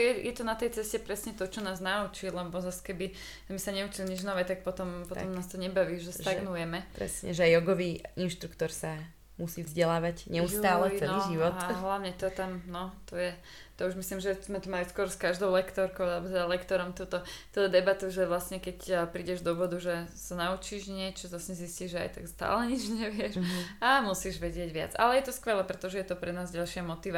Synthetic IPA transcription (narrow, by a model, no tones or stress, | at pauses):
jɛjɛt̪ɔnat̪ɛjt͡sɛscɛpɾɛsɲɛt̪ɔt͡ʃɔnaːznaut͡ʃilɛbɔzaskɛbi | zmɛsaɲɛut͡ʃilɲid͡ʒnɔʋɛːt̪ak̚pɔt̪ɔmpɔɔmnaːst̪ɔɲɛbaʋiːʒɛsaɡnujɛmɛpɾɛ̰sɲɛ̰ʒɛajɔɡɔʋiːinʃt̪ɾukt̪ɔɾsa | musiːvzɟɛlaːʋacɲɛusst̪aːlɛɛiʒiʋɔt̪aɦlaʊɲɛt̪ɔt̪amnɔt̪ɔjɛ | t̪ɔuʒmisliːmʒɛzmɛt̪umajuskʊɔɾskaʒd̪ɔʊlɛkt̪ɔɾkɔʊalɛbɔt̪ɛd̪alɛkt̪ɔɾɔmt̪uːt̪ɔt̪uːt̪ɔd̪ɛbat̪uʒɛʋlasɲɛkɛcpɾiːɟɛʒd̪ɔbɔd̪uʒɛsanaut͡ʃiːʒɲɪɛt͡ʃɔzasɲɛzisciːʒɛa̰jt̪akst̪a̰ːlɛɲid͡ʒɲɛʋɪɛʃamusiːʒʋɛɟɪɛɟʋɪa̰d͡za̰lɛjɛt̪ɔskʋɛlɛpɾɛt̪ɔʒɛjɛt̪ɔpɾɛnaːzɟalʃɪamɔt̪iʋa